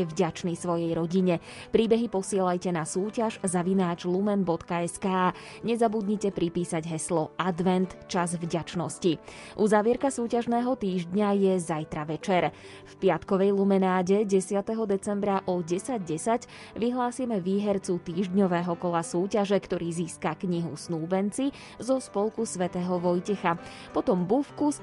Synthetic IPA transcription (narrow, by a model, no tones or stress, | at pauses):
ɛvɟat͡ʃnisʋɔjɛjɾɔɟiɲɛ | pɾiːbɛɦipɔsɪɛlajcɛnasuːcaʒzaʋinaːd͡ʒlumɛnbɔt̪kaɛskaː | ɲɛzabud̪ɲicɛpɾipiːsaɟɦɛslɔʔad̪ʋɛnt̪t͡ʃazvɟat͡ʃnɔsci | ʔuzaːʋɪɛɾkasuːcaʒnɛːɦɔt̪iːʒd̪ɲajɛzajt̪ɾaʋɛt͡ʃɛɾ | fpɪat̪kɔʋɛjlˠumɛnaːɟɛɟɛsɪat̪ɛɦɔd̪ɛt͡sɛmbɾaʔɔɟɛsaɟɟɛsaɟ | ʋiɦlaːsimɛʋiːɦɛɾt͡sut̪iːʒd̪ɲɔʋɛːɦɔkɔlasuːcaʒɛkt̪ɔɾiːziːskakɲiɦṵsnuːbɛnt͡si | zɔspɔlˠkusʋɛt̪ɛːɦɔʋɔjcɛxa | pɔt̪ɔmbufkus